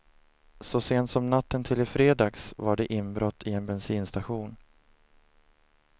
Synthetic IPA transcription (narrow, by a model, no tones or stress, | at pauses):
sɔseːnt̪sɔmnat̪ʰːənt̪ʰɪlɪfɾeːd̪ɑːɡsvaɖɛʔɪnbɾɔt̪ʰːɪɛnbɛnsiːnst̪aɧuːn